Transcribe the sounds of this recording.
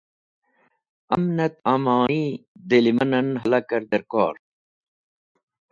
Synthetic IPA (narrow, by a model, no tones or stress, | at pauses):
ɐmnɐt̪amaːid̪elimɐnɐnɦɐlɐkɐɾd̪ɐɾko̰ːɾ